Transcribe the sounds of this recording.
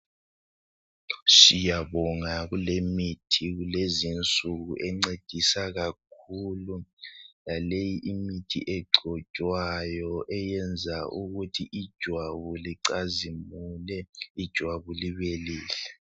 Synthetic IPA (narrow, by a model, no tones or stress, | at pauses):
sijaβɔŋaɣulemitʰiɣulezint͡sʼuɣuʔɛŋ͡ǀed̥ʱisaɣak̚ʰululalejiʔimitʰḭʔɛɡ͡ǃʱɔ̥t͡ʃʼwajɔʔɛjɛnd͡zʱaʔuɣutʰiʔid̥ʒ̥ʱwaβuliǀazimulɛid̥ʒ̥ʱwaβuliβeliːɬɛ̥